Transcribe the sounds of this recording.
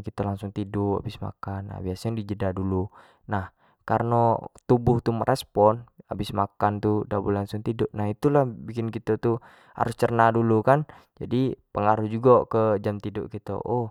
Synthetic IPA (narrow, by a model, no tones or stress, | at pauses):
kit̪əlaŋsʊŋt̪idʊʔa̰bɪsma̰kanːa̰biasaɲdid͡ʒədadulu | nah | karnot̪ubʊht̪uməɾʔɛspɔnabɪsmakant̪udabulaŋsʊŋt̪idʊʔnahit̪ulahbikɪnkit̪ət̪u | ha̰ɾʊst͡ʃərnadulukan | d͡ʒadipəŋaɾuhd͡ʒuɡakəd͡ʒamt̪idʊʔkit̪ə̰ʔo